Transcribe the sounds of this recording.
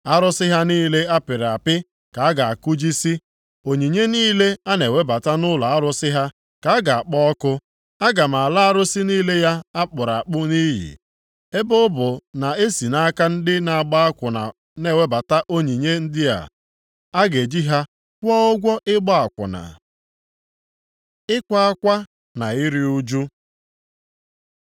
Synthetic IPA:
a˦ɾʊ˦sɪ˦ɦa˦niː˦le˦a˦pɪ˨ɾa˨pɪ˦ | ka˨a˦ɡa˨a˨kʊ˦d͡ʒi˦si˦ | o˨ɲi˨ɲe˦niː˦le˦a˦ne˨we˦ba˨ta˦nʊ˦la˨a˦ɾʊ˦sɪ˦ɦa˦ | ka˨a˦ɡa˨a˨k͡pɔ˦kʊ˦ | a˦ɡa˨m̩˨a˨la˦a˦ɾʊ˦si˦niː˦le˦ja˦a˦k͡pʊ˨ɾa˨k͡pʊ˦niː˦jḭ˨ | e˦bʊ˦bʊ˨na˨e˦si˨na˦ka˦n̩˦dɪ˦na˨a˨ɡ͡ba˦a˦kʷʊ˨na̰˨ | ne˨we˦ba˨ta˦ʔo˦ɲi˨ɲe˦n̩˦dɪ˦a̰˨ | a˦ɡe˨d͡ʒi˦ɦa˦ | kʷɔ˦ʊ˦ɡʷɔ˦ʔɪ˦ɡ͡bɔ˦a˨kʷʊ̰˨na̰˨ | ɪ˦kʷa˦a˦kʷa˦ | na˨ɪ˦ɾi˦u˦d͡ʒu˦

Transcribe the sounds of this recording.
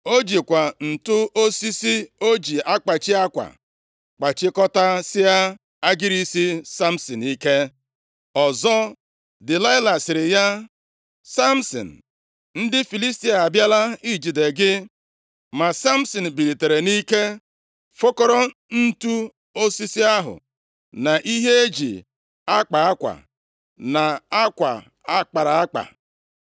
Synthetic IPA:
o˦d͡ʒi˨kʷa˨n̩˨tʊ˦ʔo˦si˦si˦o˦d͡ʒi˨a˦k͡pa˨t͡ʃi˦a˦kʷa̰˨ | k͡pa˨t͡ʃɪ˦kɔ˦ta˦sɪ˦ja˦ | a˦ɡɪ˦ɾi˦si˦sa˦m̩˦si˨n˨i˦ke˦ | ɔ˨zɔ˦ | dɪ˨la˦ɪ˦la˨sɪ˨ɾɪ˨ja˦ | sa˦m̩˦sɔ̰˨n̩˨ | n̩˦dɪ˦fi˨li˦sti˦a˨a˨bja˦la˦i˦d͡ʒi˨de˨ɡɪ˦ | ma˨sa˦m̩˦sɔ˨n̩˨bi˨ɾi˨te˨ɾe˨ni˦ke˦ | fo˦kɔ˦ɾɔ˦n̩˦tu˦ | o˦si˦si˦a˦ɦʊ̰˨ | na˨ʔi˦ɦe˦e˦d͡ʒḭ˨ | a˦k͡pa˨a˦kʷa̰˨ | na˨a˦kʷa̰˨ | a˦k͡pa˨ɾa˨a˦k͡pa̰˨

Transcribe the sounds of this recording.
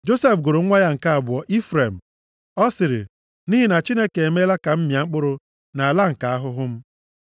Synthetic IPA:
d͡ʒo˦se˦fɡʊ˨ɾʊ˨˦ŋʷa˦ja˦ŋ̩˨ka˦a˨bʊ˨ɔ˨ʔi˦fɾe˨m̩˨ | ɔ˦sɪ˨ɾɪ̰˨ | ni˦ɦi˨na˨t͡ʃi˦ne˦ke˨e˨me˦la˦ka˨m̩˦mja˨ŋ͡m̩˦k͡pʊ˦ɾʊ˦ | na˨a˨la˦ŋ̩˨ka˨a˦ɦʊ˦ɦʊ˦m̩˦

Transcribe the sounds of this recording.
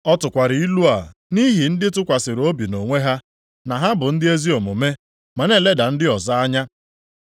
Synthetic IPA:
ɔ˦tʊ˨kʷa˨ɾɪ˨i˦lu˦a˨ni˦ɦi˨n̩˦dɪ˦tʊ˦kʷa˨sɪ˨ɾo˦bi˨no˨ŋʷe˦ɦa˦ | na˨ɦa˦bʊ˨n̩˦dɪ˦e˦zi˦o˨mʊ˨me˦ | ma˨ne˦˨le˦da˨n̩˦dɪ˦ɔ˨za˦a˦ɲa˦

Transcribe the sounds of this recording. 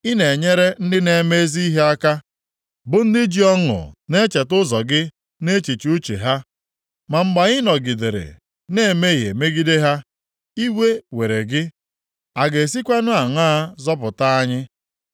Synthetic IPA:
i˦ne˨ɲe˦ɾe˦n̩˦dɪ˦ne˨me˦zi˦ɦe˦a˦ka˦ | bʊ˨n̩˦dɪ˦d͡ʒi˨ɔ˦ŋʊ̰˨ne˦t͡ʃe˨tʊ˦zɔ˨ɡɪ˦ | ne˦t͡ʃi˨t͡ʃu˦t͡ʃḛ˨ɦa˦ | ma˨ŋ͡m̩˦ɡ͡ba˨ɲɪ˦nɔ˨ɡi˨de˨ɾḛ˨ | ne˦˨me˦ɦe˨me˦ɡi˦de˦ɦa˦ | i˦we˦we˨ɾe˨ɡɪ˦ | a˨ɡe˨s̬i˦kʷe˦nʊ˦a˨ŋa˦a˦zɔ˦p̬ʊ˨ta˦a˦ɲɪ˦

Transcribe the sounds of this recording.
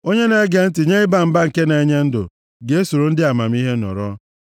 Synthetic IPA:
o˦ɲe˦ne˨˦ɡe˨n̩˦tɪ˨ɲe˦ɪ˦ba˦˨m̩˦ba˦ŋ̩˨ke˦ne˨e˨˦ɲe˦n̩˦dʊ̰˨ | ɡe˨˦e˦so˨ɾo˨n̩˦dɪ˦a˨ma˨m̩˦i˦ɦe˦nɔ̰˨ɾɔ˦

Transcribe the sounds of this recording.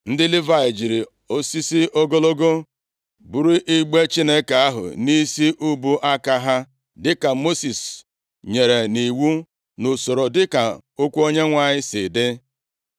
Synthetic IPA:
n̩˦dɪ˦li˦va˨ɪ˨d͡ʒi˨ɾi˨ | o˦si˦si˦ʔo˦ɡo˦lo˦ɡo˦ | bu˨ɾi˦ʔi˦ɡ͡be˦t͡ʃi˦ne˦ke˨a˦ɦʊ̰˨ni˦si˦ʔu˦bu˦ʔa˦ka˦ɦa˦ | dɪ˦ka˨mo˦si˨s | ɲe˨ɾe˨ni˨wu˦ | nʊ˨so˨ɾo˨dɪ˦ka˨ʊ˦kʷu˦o˦ɲe˦ŋʷa˨ɲɪ˦sɪ˨dɪ˦

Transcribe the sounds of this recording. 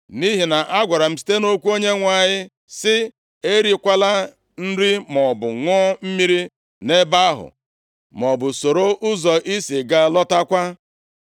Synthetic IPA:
ni˦ɦi˨na˨ʔa˦ɡʷa˨ɾa˨m̩˦si̥˦te˦no˦kʷu˦o˦ɲe˦ŋʷa˨ɲɪ˦ | sɪ˦ | e˦ɾi˨kʷa˦la˦ | n̩˦ɾi˦mɔ˨bʊ˨ŋɔ˦m̩˦mi˦ɾi˦ | ne˦ba˦ɦʊ̰˨ | mɔ˨bʊ˨so˨ɾo˦ʔʊ˦zɔ˨ʔi˦si˨ɡa˦lɔ˦ta˦kʷa˦

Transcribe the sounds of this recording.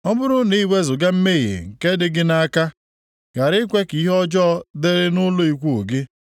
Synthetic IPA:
ɔ˦bʊ˦ɾʊ˦ni˦we˦zʊ˨ɡa˦m̩˦me˦˨ɣḛ˨ŋ̩˨ke˦dɪ˦ɡɪ˦na˦ka˦ | ɡ̥a˨ɾɪ˦kʷe˦ki˦ɦɔ˦d͡ʒɔ˦dɪ˦ɾɪ˦nʊ˦lʊ˦i˦kʷu˦˨ʊ˨ɡɪ˦

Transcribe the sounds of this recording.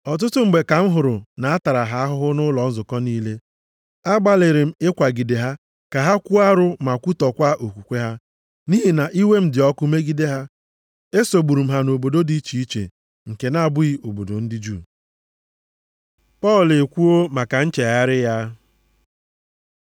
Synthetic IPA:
ɔ˨t̬ʊ˦tʊ˦m̩˨ɡ͡be˨ka˨m̩˦ɦʊ˨ɾʊ˨na˨a˦ta˨ɾa˨ɦa˦a˦ɦʊ˦ɦʊ˦nʊ˦lɔ˨n̩˦zʊ˨kɔ˦niː˦le˦ | a˦ɡ͡ba˨lɪ˨ɾɪ˨m̩˦ɪ˦kʷa˨ɡi˨de˨ɦa˦ | ka˨ɦa˦kʷu˦a˦ɾʊ˦ma˨kʷu˦tɔ˨kʷa˦ʔo˨kʷu˨kʷe˦ɦa˦ | ni˦ɦi˨na˨ʔi˦we˦m̩˦dɪ˨ɔ˦kʊ˦me˦ɡi˦de˦ɦa˦ | e˦so˨ɡ͡bu˨ɾu˨m̩˦ɦa˦no˨bo˨do˦di˦t͡ʃi˨i˦t͡ʃḛ˨ | ŋ̩˨ke˨na˦a˨bʊ˦i˦ʔo˨bo˨do˨n̩˦dɪ˦d͡ʒu˦˨ | pɔ˦˨le˨kʷu˦o˦ma˨ka˨n̩˦t͡ʃe˨ja˦ɾɪ˦ja˦

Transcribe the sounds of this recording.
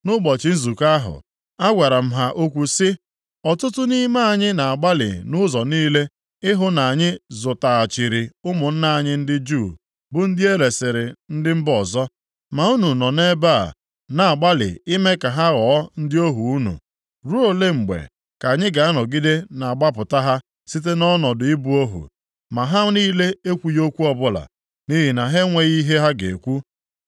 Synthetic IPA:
nʊ˦ɡ͡bɔ˨t͡ʃɪ˨n̩˦zu˨ka˦ɦʊ̰˨ | a˦ɡʷa˨ɾa˨m̩˦ɦa˦ʔo˦kʷu˨sɪ˦ | ɔ˨tʊ˦tʊ˦ni˦ma˦a˨ɲɪ˦na˨a˨ɡ͡ba˦lɪ̰˨nʊ˦zɔ˨niː˦le˦ | ɪ˦ɦʊ˦na˨a˨ɲɪ˦zʊ˨ta˨a˨t͡ʃi˨ɾɪ˨ʊ˦mʊ˨n̩˦na˦a˨ɲɪ˦n̩˦dɪ˦d͡ʒu˦˨ | bʊ˨n̩˦dɪ˦e˦ɾe˨sɪ˨ɾɪ˨n̩˦dɪ˦m̩˦bɔ˨zɔ˦ | ma˨u˦nu˨nɔ˨ne˦ba˦a̰˨ | na˨a˨ɡ͡ba˦lɪ̰˨ɪ˦me˦ka˨ɦa˦ɣɔ˨˦n̩˦dɪ˦o˦ɦu˨u˦nṵ˨ | ɾu˦o˦le˦ŋ͡m̩˨ɡ͡bḛ˨ | ka˨ɲɪ˦ɡa˨a˦nɔ˨ɡi˦de˦na˨a˨ɡ͡ba˦pʊ˨ta˦ɦa˦ | si˦t̬e˦nɔ˦nɔ˨dʊ˨ɪ˦bu˦o˦ɦṵ˨ | ma˨ɦa˦niː˦le˦e˦kʷu˨jo˦kʷu˦ɔ˦bʊ˦la̰˨ | ni˦ɦi˨na˨ɦe˦ŋʷe˨ɣi˦ɦe˦ɦa˦ɡḛ˨kʷu˦

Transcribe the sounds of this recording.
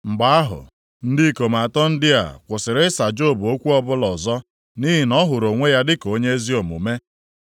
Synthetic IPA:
ŋ͡m̩˨ɡ͡ba˨˦a˦ɦʊ̰˨ | n̩˦dɪ˦ko˨ma˨tɔ˦n̩˦dɪ˦a̰˨kʷʊ˨sɪ˨ɾɪ˦sa˨d͡ʒo˦˨bo˦kʷu˦ɔ˦bʊ˦lɔ˨zɔ˦ | ni˦ɦi˨nɔ˦ɦʊ˨ɾo˨ŋʷe˦ja˦dɪ˦ko˨˦ɲe˦e˦zi˦o˨mṵ˨me˦

